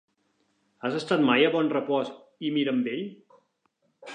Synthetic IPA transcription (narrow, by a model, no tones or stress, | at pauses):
azəst̪at̪majəβɔnrəpɔs | imiɾəmbeʎ